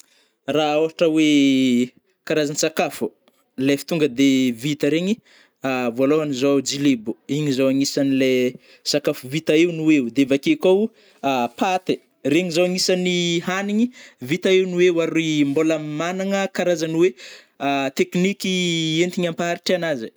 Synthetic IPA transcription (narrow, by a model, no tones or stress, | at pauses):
raoɦaʈ͡ʂəwe | kaɾazanisakafu̥ | lefi̥t̪uŋɡəd̪evit̪əɾeɲi | avualoɦanizad͡ʒilebuiɲizawaŋisanile | sakafuvit̪aeunuwewd̪evakekow | apat̪e | reɲizawaŋisaniɦaniɲivit̪aewnuwewaɾimbolamanaŋəkaɾazaniwe | at̪eknikient̪iɲampaɦaɾiʈ͡ʂanazi